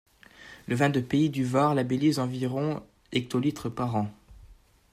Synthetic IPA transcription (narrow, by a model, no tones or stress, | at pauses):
ləvɛ̃d̪əpeid̪yvaʁlabelizɑ̃viʁɔ̃ | ɛk̚t̪olit̪χəpaʁɑ̃